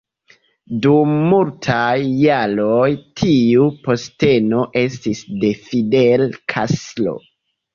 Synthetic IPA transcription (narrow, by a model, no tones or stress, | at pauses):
dumːultʰajːaɾo̞jtʰiupo̞ste̞no̞ʔe̞stisde̞fidelkʰa̰slo̞̰